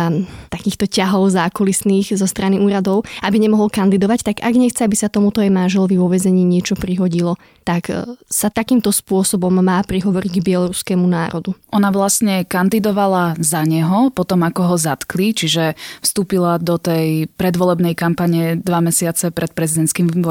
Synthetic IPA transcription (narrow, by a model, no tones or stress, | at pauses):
at̪akiːxt̪ɔcaɦɔʊzaːkɔlisniːɣzɔst̪ɾaniʔuːɾad̪ɔʊabiɲɛmɔɦɔlkand̪id̪ɔʋact̪aɡa̰ɡɲɛxt͡sɛabisat̪ɔmut̪ɔajmanʒɛlɔʋiʋɔʋɛzɛɲiːɲɪɛt͡ʃɔpɾiɦɔɟilɔ | t̪aksat̪akiːmt̪ɔspʊɔsɔbɔmːaːpɾiɦɔʋɔɾiɟɡbɪɛlɔɾuskɛmunaːɾɔd̪uʔɔnaʋlasɲɛkand̪id̪ɔʋalazaɲɛɦɔpɔt̪ɔmakɔɦɔzat̪klit͡ʃiʒɛfst̪uːpilad̪ɔt̪ɛjpɾɛd̪ʋɔlɛbnɛjkampaɲɛd̪ʋamɛsɪat͡sɛpɾɛt̪̚pɾɛzid̪ɛnt̪skiːm